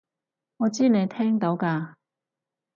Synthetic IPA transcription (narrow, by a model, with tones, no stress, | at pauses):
ŋɔː˨˧t͡siː˥ne˨˧jt̪ʰɛː˥ŋt̪o˨˥wkaː˧